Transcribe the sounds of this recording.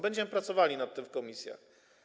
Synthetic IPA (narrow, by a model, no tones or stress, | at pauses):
bɛɲd͡ʑɛmɘpɾat̪sɔvalʲinat̪ːɘmfkɔmʲisʲja̰x